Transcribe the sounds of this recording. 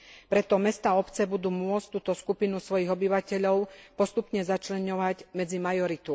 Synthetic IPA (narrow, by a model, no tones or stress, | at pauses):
pɾɛt̪ɔmɛst̪aːɔpt͡sɛbud̪uːmʊɔt͡sct̪uːt̪ɔskupinusʋɔjiɣɔbiʋacɛʎɔʊpɔst̪upɲɛzat͡ʃlɛɲɔʋaɟmɛd͡zimajɔɾit̪u